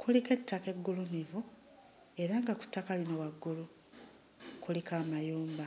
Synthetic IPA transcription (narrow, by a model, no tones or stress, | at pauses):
kulike̞tːake̞ɡːulumivu | e̞ɾaŋɡaku̥tːakalinawaɡːulu | kulikaːmajuːmba